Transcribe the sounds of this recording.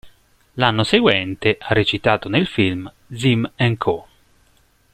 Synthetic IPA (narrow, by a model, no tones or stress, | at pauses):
lanːoseɡwɛnt̪eʔarːet͡ʃit̪aːt̪onelfilm | d̪zimɛŋkʰo